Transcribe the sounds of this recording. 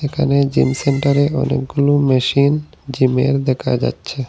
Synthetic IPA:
ekʰaned͡ʑimseɳʈaɾeɔnḛk̚ɡulomeʃin | d͡ʑimḛɾd̪ɛkʰa̰d͡ʑa̰tːɕʰe

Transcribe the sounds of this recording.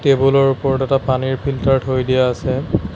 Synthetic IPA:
tebulɔɹupɔɹtɛtapaniɹpʰiltaɹtɦojdijaːsɛ

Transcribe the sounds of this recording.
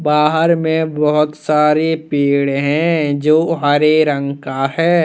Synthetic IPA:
baːɦəɾmẽbɐɦʊt̪saːɾipiːɽɦɛ̃d͡ʒoːɦəɾeɾə̃ŋkahɛː

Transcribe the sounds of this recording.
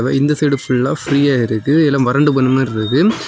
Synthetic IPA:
ʋɐ̰ːɪnd̪ɐseːɽɯfʊɭːãːfɾiːjaːɪɾɯkːɯɛlãːmʋɐɾɐɳɖɯbɐnːɯmeɪɾɯkːɯ

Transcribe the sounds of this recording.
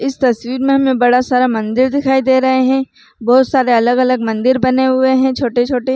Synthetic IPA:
ɪst̪ɐswiːɾmẽɦɐmẽbɐɽasaːɾamɐ̃nd̪ɪɾd̪ɪkʰaːid̪eːɾɐɦeɦɛ̃ː | bɔːt̪saːɾeɐləɡɐləɡmɐ̃nd̪ɪɾbɐneɦʊeɦɛ̃t͡ʃʰoːʈet͡ʃʰoːʈe

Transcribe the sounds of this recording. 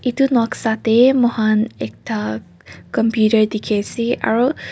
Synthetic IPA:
ʔit̪unɔksat̪emɔhanɛk̚t̪a | kɔmpjuɾəɹd̪ikʰesiʔa̰ɹo

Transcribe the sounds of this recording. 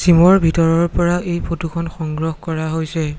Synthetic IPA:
simɔɹbʱitɔɹɔɹpɔɹaʔejpʰotukʰɔnxɔŋɡɹɔxkɔɹaɦojsɛ

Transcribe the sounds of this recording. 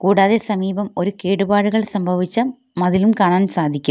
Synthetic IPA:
kuːɽaːðesɐmiːbɐmo̞ɾukeːɽubaːɻuɣɐɭsɐmbʱɐʋit͡ɕːɐ | mɐðilumkaːɳaːnsaːd̪ʱikʲːum

